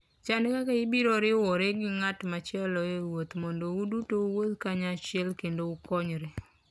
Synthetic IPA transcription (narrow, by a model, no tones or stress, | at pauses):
t͡ʃankakaɪbiɾɔɾɪwɔɾeɡɪŋatmat͡ʃjɛlɔewot̪mɔndoudutouwod̪kaɲat͡ʃɛlkendoukɔɲɾe